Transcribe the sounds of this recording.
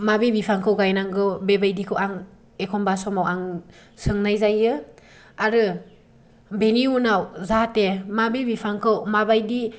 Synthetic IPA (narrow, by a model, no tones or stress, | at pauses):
mabebipʰaŋkʰɯwɡajnaŋɡɯwbebajdikʰɯwaŋ | ekʰɔmbasɔmawaŋ | sɯŋnajzajɯ | aɾɯ | beniunawzatemabebipʰaŋkʰɯwmabajdi